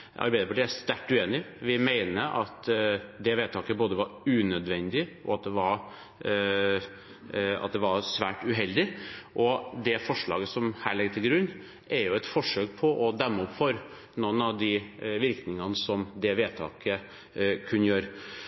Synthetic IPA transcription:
ʔɑ̰ɾbæɪd̪əpɑʈiːæst̪æʈːʉeːnɪʋɪmæɪnəʔɑt̪d̪ɛʋeːt̪ʰɑːkəboːd̪əʋɑɾʉːnœd̪ʋɛnd̪ɪʔɔ̰ɑt̪̚d̪ɛʋɑɾ | ɑ̰t̪̚d̪ɛʋɑɾsʋæːʈʉɦɛld̪ɪʔɔd̪ɛfɔʂɭɑ̰ːɡəsɔmhæːɭɛɡt̪ʰɪlɡɾʉnː | ʔɛɾjʊɛt̪fɔʂøːk̚pʰɔʔɔd̪ɛmːəɔpfɔɾ | nɔnːɑʋd̪ɪʋɪɾknɪŋɑnəsɔmd̪ɛʋeːt̪ʰɑ̰ːkə | kʰʉnːəjøːɾə

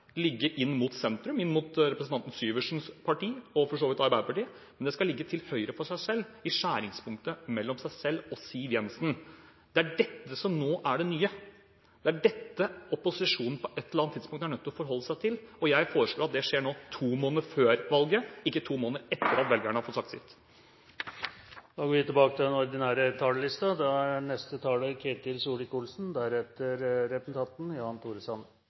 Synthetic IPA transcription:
lɪɡːəʔɪnːmʊt̪sɛnt̪ɾʉmɪnːmʊt̪ɾɛpɾəsn̩ʰɑnt̪n̩syːʋəʂn̩spʰɑʈiːɔfɔʂoːʋɪt̪ɑɾbæɪd̪əpɑʈiː | mɛnd̪ɛskɑlɪɡːət̪ʰɪlhœʏəɾəfɔʂæɪsɛlːɪʂæːɾɪŋspʰʊŋkt̪əmɛlːɔmsæɪsɛlːɔsiːʋjɛnsn | d̪̥ɛæɖɛt̪ːəsɔmnoːʔæɖɛnyːə | dd̪̥ɛæɖɛt̪ːəɔpʊsɪʂuːnn̩pʰɔʔɛt̪ːləɾɑnt̪ʰːɪd̪spʊŋkt̪æɳœt̪ːɔɔfɔɾɦɔlːəsæɪt̪ʰɪlɔjæɪfoːɾəʂɭloːɾɑt̪̚d̪ɛʂeːɳoːt̪ʰuːmoːnəɾføːɾʋɑlɡəɪkːət̪ʰuːmoːnəɾɛt̪ːəɾɑt̪ʋɛlɡæɳəhɑɾfɔt̪sɑkt̪sɪ̰t̪ː | d̪ɑːɡoːʋɪt̪ɪbɑːkət̪ʰɪlɛnɔɾd̪ɪnæːɾət̪ʰɑːləlɪst̪ɑd̪ɛæɾnɛst̪ət̪ʰɑːləkʰeːt̪ɪlsuːlɪkuːlsn̩d̪æɾɛt̪ːəɾɾɛpəsn̩t̪ɑnt̪n̩jɑːɑnt̪ʰuːɾəsɑn

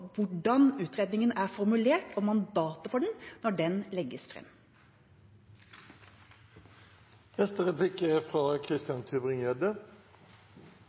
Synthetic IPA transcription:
ʋʊɖɑnʉːt̪ɾeːd̪nɪŋənəʔæːɾfɔɾmʉleːʈoːmɑnd̪ɑːt̪əfɔɖɛɳ̩nɔɖɛnlɛɡːəsfɾɛ̰mː | ɛst̪əʁɛpʰlɪkəfʁɑːkʰʁɪst̪ɪɑnt̪ʰʉːbʁɪŋjœd̪ə

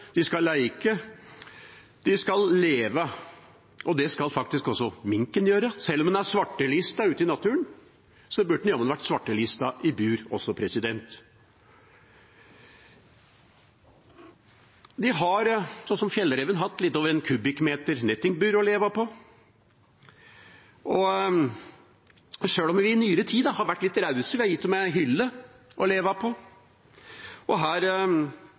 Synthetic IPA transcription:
d̪̥ɪskɑlæɪɪkːə | d̪ɪskɑlːeːʋə | ʔɔd̪ɛskɑlfɑk̚t̪ɪskɔsːɔmɪŋkənjøːɾəsɛlːɔmd̪ɛnæsʋɑʈːəliːst̪ɑʉːt̪ɪnɑt̪ʰʉːən | sɔbʉɖn̩jɔmənʋæʈːsʋɑʈːəliːst̪ɑʔɪbʉːɾɔ̰sːɔpʰɾɛsɪd̪ɛnt̪ | d̪ɪɦɑɾsɔnsɔmfjɛlːəɾɛʋənɦɑt̪ːlɪt̪ːoːʋəɾɛnkʰʉbɪkmeːt̪əɾnɛt̪ːɪŋbʉːɾɔleːʋɑpʰɔ | ɔ | ʂøːlɔmʋɪɪnyːəɾət̪ʰiːd̪ɑhɑɾʋæʈːlɪt̪ːɾɑʉsəʋɪhɑɾjɪt̪ːɔmɛɦʏlːə | ʔɔleːʋɑpʰɔ | ʔɔɦæːɾ

